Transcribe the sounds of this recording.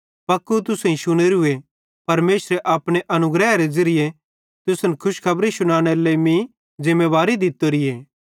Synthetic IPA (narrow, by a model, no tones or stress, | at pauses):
pɐkːut̪̬ʊsĩʃʊñeɾʊe | pɐɾmeːsɾeʔaːpɽ̃eʔɐnʊɡɾɛːaɾezɐɾɪje | t̪ʊsnkʰʊʃkʰɐbɾisʊɽ̃aːɽ̃elemĩ | d͡ʒɪmːeːʋaːɾid̪ɪt̪ːoɾɪeː